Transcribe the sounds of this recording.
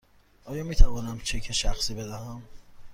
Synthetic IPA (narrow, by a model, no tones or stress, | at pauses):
ʔɒːjɒːmiːt̪ʰævɒːnæmt͡ʃʰekʰeʃæxsiːbed̪æɦæm